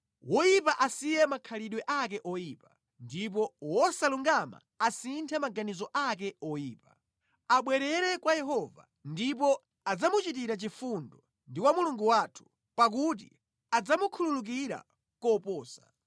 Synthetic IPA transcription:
wɔjip̬aʔasijɛmakʰaliɗwɛʔak̬ɛʔɔjipa | ndip̬ɔwɔsaluŋɡama̰ | asintʰɛmaɡanizɔʔak̬ɛɔjiːpa | aɓwɛɾɛɾɛkwajɛɦɔva̰ | ndip̬ɔ | ad͡zamut͡ʃit̬iɾat͡ʃifundɔ | ndikwamuluŋɡuwatʰu̥ | pak̬ut̬ḭ | ad͡zamukʰululuk̬iɾa̰ | kɔpɔːsa̰

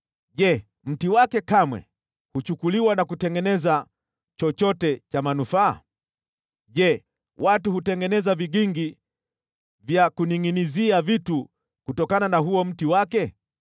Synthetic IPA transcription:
ʄɛ | m̩tiwakɛkamwɛ̰ | hut͡ʃukuliwanakutɛŋɡɛnɛza | t͡ʃɔt͡ʃɔtɛt͡ʃamanufa̰ː | ʄɛ | watuhutɛŋɡɛnɛzaviɡiŋɡi | vjakuniŋiniziavitu | kutɔkananaɦuɔm̩tiwakɛ

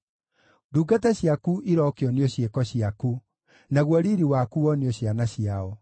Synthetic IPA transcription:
duːɡatɛɕjakuʔiɾɔkeɔneɔɕjekɔɕiaku | naɣwɔɾiːɾiwakuɔneɔɕjanaɕiaɔ

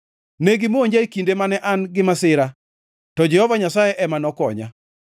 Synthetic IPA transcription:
neɡɪmooɲd͡ʒaikindemanɛʔanɡɪmasɪɾa | tɔd͡ʒɛhɔvaɲasajɛʔɛmanɔkɔɲa̰

